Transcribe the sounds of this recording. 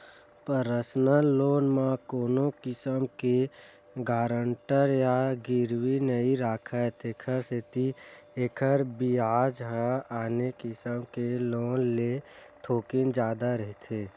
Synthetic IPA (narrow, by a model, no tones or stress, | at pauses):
pəɾəsnəlːoːnmãkoːnõkɪsəmke | ɡaːɾəɳʈəɾjaɡɪɾwinəiɾaːkʰət̪eːkʰəɾset̪i | eːkʰəɾbiaːd͡ʒɦəaːnekɪsəmkeloːnle | t̪ʰoːkɪnd͡ʒjaːd̪aɾəɦit̪ʰeː